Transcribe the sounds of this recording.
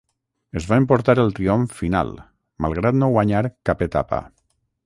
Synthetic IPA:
əzβaempoɾt̪aɾelˠt̪ɾioɱfina̰lˠ | ma̰lˠɣ̞ɾat̪noɣwaɲaɾkapet̪a̰pa̰

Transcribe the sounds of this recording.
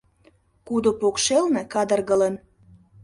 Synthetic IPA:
kud̪opokʃelne̽kɑd̪ərɣə̆lən

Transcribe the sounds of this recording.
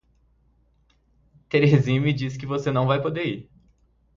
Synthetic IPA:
t̪eɾezĩmɪd͡ʒiskɪvosenɐ̃w̃vajpod̪eiɾ

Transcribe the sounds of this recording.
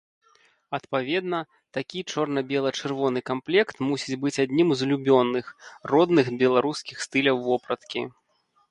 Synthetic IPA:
ɐt̪pavʲɛd̪nɐ | t̪akʲit͡ʂɔrnɐbʲɛlˠɐt͡ʂɨrvɔnɨkamplʲɛkt̪musʲit͡sʲbɨt͡sʲad̪ʲnʲimzlʲubʲɔnːɨxrɔd̪nɨxbʲɛlˠaɾuskʲixst̪ɨlʲɐwːɔpɾɐt̪kʲḭ

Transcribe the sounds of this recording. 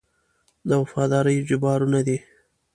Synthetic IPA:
d̪əwafɑd̪ɑɾəjd͡ʒɪbɑɾunad̪i

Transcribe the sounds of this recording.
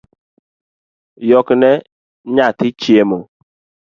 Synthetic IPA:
jɔknɛ | ɲatɪt͡ʃiemɔ

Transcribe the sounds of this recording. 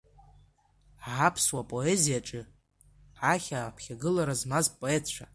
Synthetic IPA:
ʕapʰswapʼo̞e̞zijaʈ͡ʂʼɨ | ʕaχʲaːpʰχʲaɡɨlaɾazmazpʼo̞e̞tʰt͡ʃʷʰa

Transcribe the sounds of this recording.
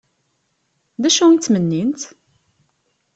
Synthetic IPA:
ðæʃunt͡s̪ːmənːint̪

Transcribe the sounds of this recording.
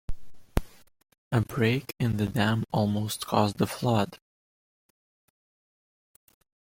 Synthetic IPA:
ɨbɹeɪkʰɨ̃nðɨdæ̃mɔlˠmoʊst̚kʰɔzðəflʌd̥

